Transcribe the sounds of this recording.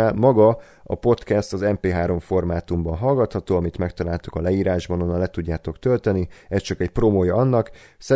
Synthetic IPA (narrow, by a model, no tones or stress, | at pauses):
almɒɡɒ | ɒ̰po̞t̪kɛst̪ɒzɛmpeːɦaːɾo̞ɱfo̞rmaːt̪umbɒnɦɒlɡɒt̪hɒt̪oːɒmit̪mɛkt̪ɒlaːlt̪u̥kɒlɛiːɾaːʒbɒnonːɒlɛt̪uɟːaːt̪o̞kt̪ølt̪ɛniɛst͡ʃɒkɛcpromoːjɒɒnːɒksɛ